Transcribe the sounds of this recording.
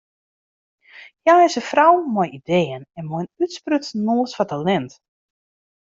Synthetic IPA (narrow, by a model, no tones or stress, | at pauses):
jaːɪsəfrawmɔjideːənɛnmɔjənytsprøtnoːsfatalɛnt